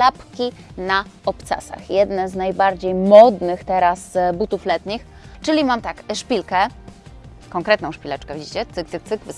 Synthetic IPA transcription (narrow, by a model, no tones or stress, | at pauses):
apkʲi | naɔpt̪sa̰sa̰xjɛd̪nɛznajbaɾd͡ʑejmɔd̪nɘxt̪ɛɾasbut̪uflɛt̪ɲix | t͡ʂɘlʲimamt̪akʂpʲilkɛ | kɔŋkɾɛt̪nɔ̃w̃ʂpʲilɛt͡ʂkɛvʲid͡ʑit͡ɕɛt̪sɨkt̪sɨk̚t̪sɘkv